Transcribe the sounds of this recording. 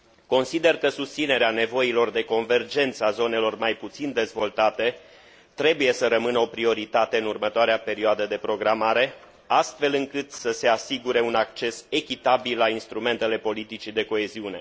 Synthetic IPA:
ko̞nsid̪e̞rkəsust̪sine̞ɾeane̞vo̞ilo̞rd̪e̞ko̞nve̞rd͡ʒe̞nt̪səazo̞ne̞lo̞rmajput̪sind̪e̞zvo̞lt̪at̪e̞ | t̪ɾe̞buje̞səɾəmɨnəo̞pɾio̞ɾit̪at̪e̞ɨnurmət̪oaɾeape̞ɾioad̪əd̪e̞pɾo̞ɡɾamaɾe̞ | ast̪fe̞lɨŋkɨt̪səse̞asiɡuɾe̞unakt͡ʃe̞se̞kʲit̪abilːainst̪ɾume̞nt̪e̞le̞po̞lit̪it͡ʃid̪e̞ko̞e̞ziune̞̰

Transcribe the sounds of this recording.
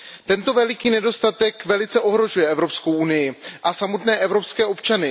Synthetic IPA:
t̪ɛnt̪o̞vɛlɪkiːnɛdo̞st̪at̪ɛkvɛlɪt͡sɛʔo̞ɦɾo̞ʒujɛʔɛvɾo̞psko̞wʔunɪjɪʔasamot̪nɛːʔɛvɾo̞pskɛːo̞pt͡ʃanɪ

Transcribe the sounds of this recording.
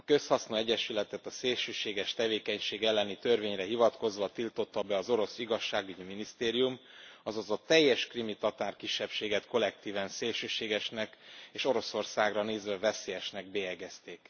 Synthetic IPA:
ɒkø̞shɒsnoɛɟɛʃylɛt̪ɛt̪ɒseːlʃøːʃeːɡɛʃt̪ɛveːkɛɲʃeːɡɛlːɛnit̪ørveːɲrɛɦivɒt̪ko̞zʋɒt̪ilt̪o̞t̪ːɒbɛɒzo̞ɾo̞siɡɒʃːaːɡyɟiminist̪eːɾijumɒzɒzot̪ɛjːɛʃkrimit̪ɒt̪aːrkiʃːɛpʃeːɡɛt̪ko̞lɛk̚t̪iːvɛnseːlʃøːʃeːɡɛʃnɛkeːʃo̞ɾo̞so̞rsaːɡrɒneːzʋɛvɛseːjɛʃnɛɡ̚bejɛɡɛst̪eːk

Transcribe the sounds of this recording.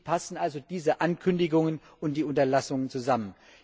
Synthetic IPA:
pʰasn̩ʔalzod̥iːzəʔankʰʏndɪɡʊŋən | ʔʊnt̚d̥iːʊntɐlasʊŋənt͡suzamən

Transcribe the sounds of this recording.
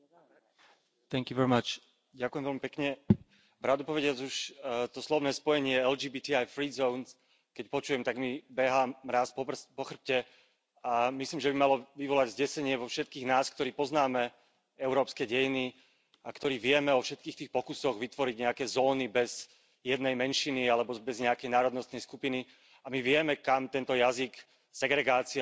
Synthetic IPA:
t̪ɛŋkjuʋɛɹimat͡ʃ | ɟakujɛmʋɛlmipɛkɲɛ | bɾad̪upɔʋɛɟɪad͡zuʃt̪ɔslɔʋnɛːspɔjɛɲɪɛɛld͡ʒiːbiːt̪iajfɾiːzɔʊns | kɛcpɔt͡ʃuːjɛmt̪aɡmibɛɦamɾaːspɔpɔxr̩p̚cɛ | amisliːmʒɛbimalɔʋiʋɔlaɟzɟɛsɛɲɪɛʋɔfʃɛt̪̚kiːɣnaːskt̪ɔɾiːpɔznaːmɛ | ɛʊɾɔːpskɛɟɛjini | akt̪ɔɾiːʋɪɛmɛɔfʃɛt̪̚kiːxt̪iːxpɔkusɔɣʋit̪ʋɔɾiɟɲɛakɛːzɔːnibɛz | jɛd̪nɛjmɛnʃinialɛbɔbɛzɲɛakɛjnaːɾɔd̪nɔst̪nɛjskupini | amiʋɪɛmɛkamt̪ɛnt̪ɔjazik | sɛɡɾɛɡaːt͡si

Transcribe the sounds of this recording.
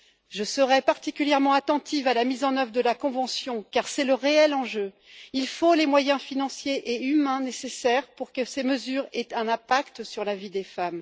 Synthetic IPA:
ʒəsəʁɛpaʁt̪ikʲyljɛʁmɑ̃at̪ɑ̃t̪ʰifalamizɑ̃nœvʁd̪əlakɔ̃vɑ̃sjɔ̃kaʁsɛləʁeɛlɑ̃ʒø | ilfolemwajɛ̃finɑ̃sjeʔeymɛ̃nesesɛʁpuʁkəseməzyʁet̪ɛ̃nɛ̃pakt̪syʁlavid̪efam

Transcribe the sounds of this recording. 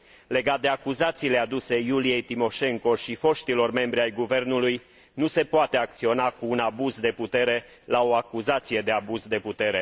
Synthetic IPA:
le̞ɡat̪̚d̪e̞akuzat̪siːle̞ad̪use̞julije̞jt̪imo̞ʃe̞ŋko̞ʃifo̞ʃt̪ilo̞rme̞mbɾʲiajɡuve̞rnuluj | nuse̞poat̪e̞ak̚t̪sio̞nakuːnabuzd̪e̞put̪e̞ɾe̞ | lao̞akuzat̪sije̞d̪e̞abuzd̪e̞put̪e̞ɾe̞

